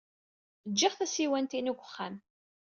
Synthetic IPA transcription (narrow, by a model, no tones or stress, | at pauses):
d͡ʒːɪʁθæsiwænt̪inuɡʷəχːæm